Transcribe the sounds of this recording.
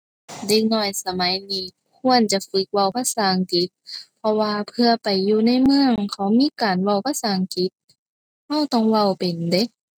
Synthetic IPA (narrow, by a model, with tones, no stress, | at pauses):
de˧k̚nɔː˧˩jsa˧ma˨˦jniː˧˩ | kʰu˧˥˨ənt͡ɕa˧˨fɯ˧˥k̚wa˧˩wpʰa˧˥˨saː˨˦ŋki˨˦t̪̚pʰɔ˧waː˧pʰɯ˧ɐpa˨˩jːuː˧na˧˥˨jmɯ˧əŋkʰa˨˦wmiː˧˥˨kaː˨˩nwa˧˩wpʰa˧˥saː˨˩˦ŋki˧˦t̪̚ | ha˧˥˩wt̪ɔ˧˩ŋwa˧˩wpe˨˩nde˧˦k̚